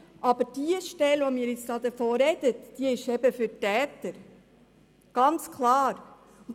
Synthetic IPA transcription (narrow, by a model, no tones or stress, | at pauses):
ʔɑbəɾd̥iəʃtɛlʋɔmiːɾɪt͡sd̥ɑːd̪əfoːɾɛd̥ətd̥iəɪʃɛbəfʏtæːt̪əɾ | ɡ̥ɑnt͡skʰlɑːɾ